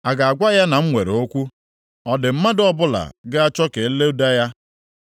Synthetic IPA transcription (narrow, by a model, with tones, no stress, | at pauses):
a˨ɡa˨a˨ɡʷa˦ja˦na˨m̩˦ŋʷe˨ɾe˨o˦kʷu˦ | ɔ˦dɪ˨m̩˦ma˦dɔ˦bʊ˦la̰˨ɡɪ˦a˦t͡ʃɔ˦ke˨˦le˦u˦da˦ja˦